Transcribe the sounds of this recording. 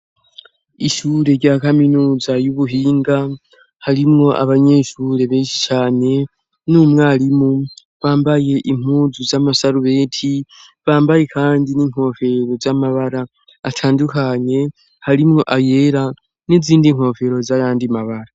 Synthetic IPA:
iʃuːɾe̞ɾɟakaminuːzajuβuɦiːŋɡa | haɾimŋo̞ʔa̰βaɲeːʃuːɾe̞βeːnʃi̥t͡ʃaːne̞ | numŋaːɾimu | βaːmbaje̞ʔim̥uːzuzamasaɾuβe̞ːtʰi | βaːmbaje̞kʰaːndiniŋ̥ho̞ːve̞ɾo̞zamaβaɾaː | tʰaːndukaɲe̞ | haɾimŋo̞ʔajeɾa | niziːndiŋ̥ho̞ːve̞ɾo̞zajaːndimaβaɾa

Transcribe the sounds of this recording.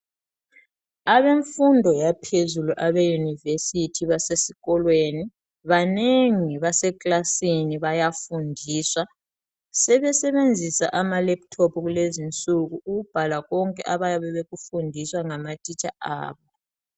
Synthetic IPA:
aβeɱfundʱɔjapʰezuluʔaβejunivesitʰiβasesiɣɔlweni | βaneŋiβasɛkʼlasiniβajafundʱiːswa | sɛβɛsɛβend͡zʱisa̰ʔamalɛp̚tʰɔpʰɣulezint͡sʼuɣuːɣub̥ʱalaɣɔŋkʼɛ̰ʔaβajaβɛβeɣufundʱiswaŋamatʼit͡ʃʼʰaa̰ːβɔ

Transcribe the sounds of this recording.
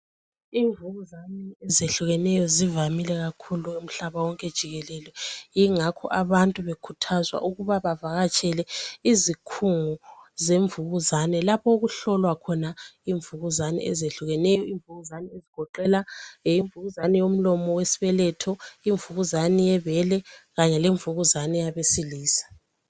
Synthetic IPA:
iːɱvuɣuzanɛɛzeɬuɣɛnɛjɔzivamilɛɣakʰuluum̩ɬaβawɔŋkʼɛd̥ʒ̥ʱiɣɛlɛlɛjiŋakʰɔ̰ʔaβantʼuβekʰutʰazwa̰ʔuɣuβaβavaɣat͡ʃʼɛlɛizikʰuŋuzeɱvuɣuzanɛlapʰɔɣuɬɔlwakʰɔnaiɱvuɣuzanɛ̰ɛzeɬuɣɛnɛjɔiɱvuɣuzanɛeziɡ̥ʱɔǃɛlaiɱvuɣuzanɛjom̩lɔmɔwesi̥βɛlɛtʰɔiɱvuɣuzanijɛβɛlɛɣaɲɛleɱvuɣuzanɛjaβesiliːsḁ

